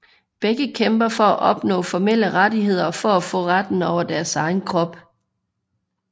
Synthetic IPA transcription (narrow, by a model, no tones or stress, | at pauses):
b̥eɡ̥əkʰemb̥ɐfɒ̽æʔɒ̽b̥nɔ̰̽ːfɒmel̰əʁadiɦe̝ð̞̰ˠɐfɒ̽æfɔ̰̽ːʁad̥n̩ɒʊ̰ɐd̥æɐsɑ̈ɪn̩kʰʁɒ̽b̥